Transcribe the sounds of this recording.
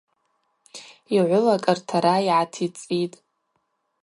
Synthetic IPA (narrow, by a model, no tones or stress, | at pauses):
iʕʷʊlakʼɨrtʰaɾaiʕatʰit͡sʼitʼ